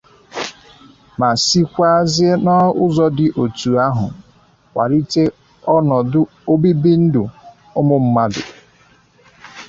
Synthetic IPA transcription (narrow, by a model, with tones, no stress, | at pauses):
ma˨si˦kʷa˦a˦zɪ˦e˦nɔ˦ʊ˦zɔ˦dɪ˨ʔo˨tu˨a˦ɦʊ̰˨ | kʷa̰˨ɾi˦te˦ | ɔ˦nɔ˨dʊ˦ | o˦bi˦bi˦n̩˦dʊ˨ | ʊ˦mʊ˦m̩˦ma˦dʊ̰˨